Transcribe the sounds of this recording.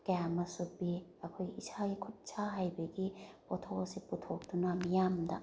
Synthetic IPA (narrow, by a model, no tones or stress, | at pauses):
kjamɐsubiɐkʰojɡiisʰaɡikʰut̚sʰaɦajbɐɡipotʰoɐsiputʰok̚d̥unɐmijamdɐ̰